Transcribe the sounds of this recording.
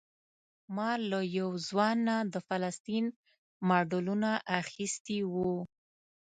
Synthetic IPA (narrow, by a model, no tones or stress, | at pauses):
mɑlajawzwɑnːad̪əfalast̪in | mɑɖulunaʔaxist̪iwu